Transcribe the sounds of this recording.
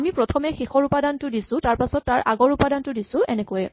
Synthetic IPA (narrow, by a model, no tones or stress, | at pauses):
amipɹɔtʰɔmɛxixɔɹupadantʊdisʊ̃taɹpasɔtːaɹʔa̰ɡɔɹupadantʊdisʊ̃ɛnɛkojɛ